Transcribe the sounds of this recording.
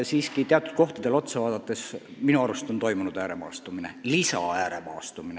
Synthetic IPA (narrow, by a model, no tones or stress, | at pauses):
siːskit̪eɑt̪ːˑud̪̥̚ko̞ht̪ɑd̥̪e̞lo̞t̪sevɑːd̪̥ɑt̪ːˑe̞sminuɑɾust̪o̞nt̪o̞jmunud̪æːɾe̞mɑ̰ːst̪umine̞̰lisɑ̰æːɾe̞mɑ̰ːst̪umine